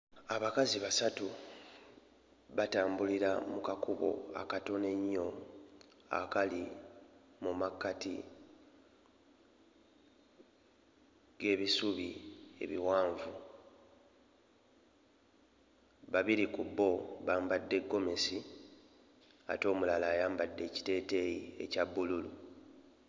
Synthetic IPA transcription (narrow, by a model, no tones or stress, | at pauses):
aβakaziβasatu | βataːmbuliɾamukakuβo̞̰a̰kato̞ne̞ɲːo̞ | a̰kali | mumakːatḭ | ɡ̥e̞ːβisuβie̞̰βiwaːɱvu | βaβiɾikubːo̞βaːmbadːe̞ɡːo̞me̞si | a̰to̞ːmulalaːjaːmbadːe̞ːci̥te̞ːte̞jie̞̰cabːululu